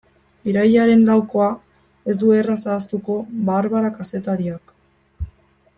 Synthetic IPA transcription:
iɾajʎaɾe̞nlawko̞a | e̞zd̪uerasaːst̪uko̞βaːɾβaɾakase̞t̪aɾiak

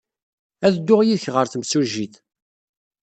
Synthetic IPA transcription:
æðd̪ːʊʁjiðçʁəɾθəmsuʒiθ

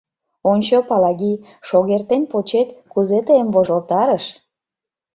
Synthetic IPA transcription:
onʲt͡ɕopɑlɑɣi | ʃoɣert̪enpot͡ɕet̪kuzet̪əemvoʒolt̪ɑɾəʃ

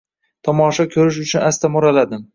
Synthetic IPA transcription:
t̪ʰɒmɒʃɒkʲʰɵɾɪʃ̬ʊt͡ʃʰʊnast̪ʰamʊɾalad̪ɪm

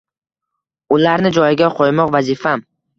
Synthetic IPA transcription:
ʊlaɾnɪd͡ʒɒjɪɡʲaqʰojmɒqvazɪfam

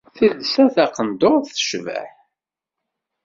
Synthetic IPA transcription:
θiðsæθæqənd̪oʁθθə̥ʃvə̰ħ

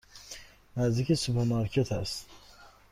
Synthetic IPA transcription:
næzd̪ikʲʰisupʰeɾmɑɾkʰet̪ʰæst̪

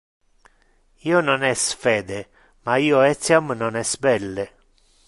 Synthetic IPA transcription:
iːononɛsfɛːd̪e | maiːoɛt̪sjamnonɛsbɛlːe

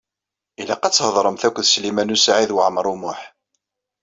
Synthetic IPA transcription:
ilæqɑt͡sːhəðˤɾˤəmθækʷːəðslimænusʕiðwʕmɾˤumʊħ

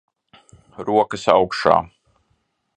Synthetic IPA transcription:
ɾuɔkɐsa̰wkʃa̰ː

